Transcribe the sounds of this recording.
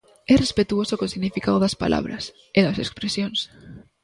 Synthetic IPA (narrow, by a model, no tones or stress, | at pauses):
ɛrespet̪uosokosiɣnifikaðoðaspa̰lʔa̰β̞ɾa̰s | eðasekspɾesjons